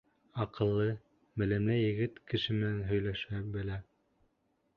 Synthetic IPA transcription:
ɑqɤ̆lˠːɤ | mɘ̆læmlæjɘ̆ɡɘt̪kɘ̆ʃɘmɘ̆nænɦɵ̆jlæʃæbɘ̆læ

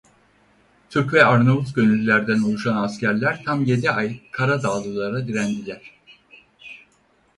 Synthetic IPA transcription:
t̪ʰyɾcvɛaɾnaut̪ɟønylʲyːæɾd̪ænolˠuʃanascæɾlʲæɾt̪ʰamje̞d̪iajkʰaɾad̪aːlˠɯlˠaɾad̪iɾænd̪ilʲæɾ̥

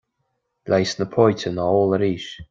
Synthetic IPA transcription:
lʔajsnəpʰɔjtʰənəɔːləɾiːʃ

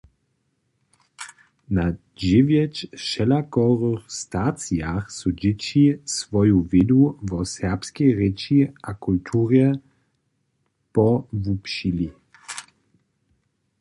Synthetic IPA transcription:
na | d͡ʑɪvjɛt͡ʃʃɛlakɔwʁəxst̪at͡sjaxsud͡ʑɪt͡ɕisvɔjuvɪduvɔsɛʁpskɛjʁɛt͡ʃiʔakult̪ʰuʁjɛ | pɔvupʃili

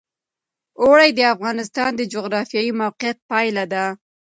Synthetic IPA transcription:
oɽajd̪əafɣɑnɪst̪ɑnd̪əd͡ʒoɣɾɑfjɑjimawqijat̪̚pɑjlad̪a

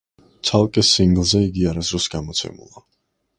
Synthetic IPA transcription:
t̪sʰalˠkʼɛsiŋɡlˠzɛiɡiaɾazɾɔsɡamɔt̪sʰɛ̰mṵlˠa

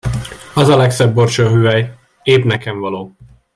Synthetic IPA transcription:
ɒzɒlɛksɛbːort͡ʃoːɦyːɛj | eːbnɛkɛɱvɒloː

